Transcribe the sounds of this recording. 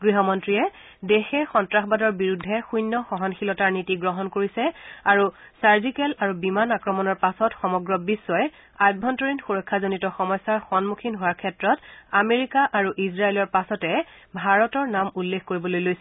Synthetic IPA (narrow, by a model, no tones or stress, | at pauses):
ɡɹiɦɔmɔntɹijɛ | dexɛxɔntɹaxbadɔɹbiɹudʱːɛxujnːɔxɔɦɔnxilɔtaɹnitiɡɹɔɦɔnkoɹisɛaɹusaɹzikɛlaɹubimanakɹɔmɔnɔɹpasɔtxɔmɔɡɹɔbisːɔj | ajt̚bʱɔntɔɹinxuɹɔkʰːazonitɔxɔmɔjsːaɹxɔnmukʰinɦowaɹkʰɛtɹɔtameɹikaʔaɹuʔizɹaelɔɹpasɔtɛ | bʱaɹɔtɔɹnamulːexkoɹibɔlojlojsɛ